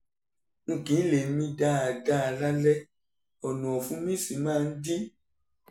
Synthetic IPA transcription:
ŋ̩˨kĩ˨˦le˨˦mĩ˧da˦a˨ɡa˦a˨la˦lɛ˦ | ɔ˨nũ˨ɔ˨fũ˦mĩ˦˨si˨˦mãː˦˧n̩˦di˦

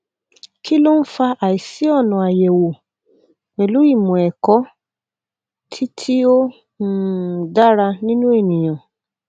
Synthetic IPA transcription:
ki˦lo˦n̩˦fa˧ʔa˨i˨si˨˦ɔ˦˨nũ˨a˨je˨wo˨ | e˨lu˨˦i˦˨mɔ̃˨ɛ˨kɔ˨˦ | tʰi˦tʰi˦o˦˨ | da˦ɾa˧nĩ˦nũ˦e˦˨nĩ˨j̃ã˨

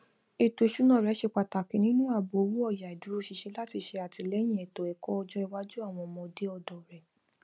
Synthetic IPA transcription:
e˧˨to˨e˨ʃu˨˦nɔ̃˦˨ɾɛ˨˦ʃe˧k͡pa˧ta˨kĩ˨˦nĩ˦nũ˦a˦˨bu˨o˧wu˦ɔ˦˨ja˨i˨du˨˦ɾo˦ʃi˧ʃɛ˧˦la˦ti˧ʃe˧a˨ti˧lɛ˨˦j̃ĩ˦˨ɛ˨to˨ɛ˨kɔ˦ɔ˧d͡ʒɔ˦i˧wa˦d͡ʒu˦a˦˨w̃ɔ̃˧ɔ˧˨mɔ̃˧de˦ɔ˧dɔ˨ɾɛ˨

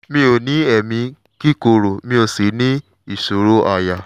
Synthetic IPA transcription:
mĩ˧˦o˨nĩ˨˦ɛ˨mĩ˧ | ki˦ko˨ɾo˨mĩ˧o˧˨si˨˦nĩ˦ | i˦˨so˨ɾo˦a˧ja˧˨

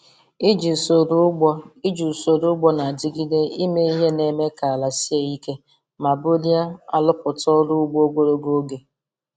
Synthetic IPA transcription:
i˦d͡ʒi˨so˨ɾu˦ɡ͡bɔ˦i˦d͡ʒu˨so˨ɾu˦ɡ͡bɔ˦na˨a˨d͡ʒi˦ɡi˦de˦i˦me˦i˦ɦe˦ne˨me˦ka˨la˨si˦e˨i˦ke˦ | ma˨bo˦li˦a˦a̰˨lʊ˦pʊ˨tɔ˦ɾu˦ʊ˦ɡ͡bo˦o˦ɡ͡bo˦ɾo˦ɡo˦ɡe˨

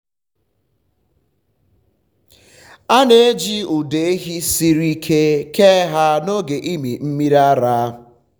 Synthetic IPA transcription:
a˦ne˨e˦d͡ʒi˦u˨de˨˦ɦi˦si˦ɾi˦kʰe˦ke˦ɦa˦no˦ɡe˨ʔi˦mi˨m̩˦mi˦ɾa˦ɾa˦

